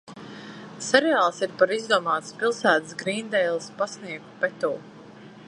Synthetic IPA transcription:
sɛɾɛaːlˠsiɾpaɾizd̪uɔmaːt̪spilˠsæːt̪sɡɾiːnd̪ɛjlˠspasniɛk̪pɛt̪ṵː

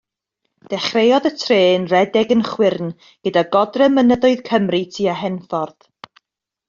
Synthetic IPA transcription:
d̥ɛχrejɔðətʰreːnrɛdɛɡənχwɪrn | ɡ̥ədaɡɔdrəmənəðʊɨðkʰəmritʰiːaɦɛnfɔrð

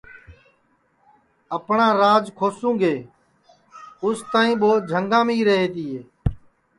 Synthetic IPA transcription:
əpɳãːɾaːd͡ʒkʰoːsũːɡeː | ʊst̪aːĩːɓoːd͡ʒʱəŋɡãːmiːɾəɦeːt̪iːɦeː

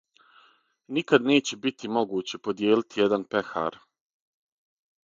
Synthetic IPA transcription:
nikad̪ne̞ːt͡ɕe̞bit̪ʰimo̞ɡuːt͡ɕe̞po̞d̪jeːlit̪ijed̪anpe̞xa̰ːɾ

